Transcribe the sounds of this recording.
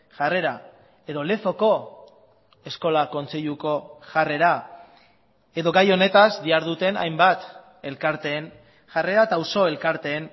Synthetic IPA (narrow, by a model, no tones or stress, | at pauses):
ʝare̞ɾa | e̞ðo̞le̞fo̞ko̞ | e̞sko̞lako̞nt͡seʎuko̞ʝare̞ɾa | e̞ðo̞ɡajo̞ne̞t̪azd̪iaɾðut̪e̞na̰jmbat̪ | e̞lkaɾt̪e̞ːn | ʝare̞ɾat̪awso̞e̞lkaɾt̪e̞ːn